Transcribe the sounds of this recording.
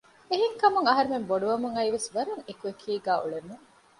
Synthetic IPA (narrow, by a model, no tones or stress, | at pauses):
eɦeŋkɐmuŋɐɦɐɾumemboɖuʋɐmuŋɐiʋesʋɐɾɐŋekuekʰiːɡæːʔṵɭemuŋ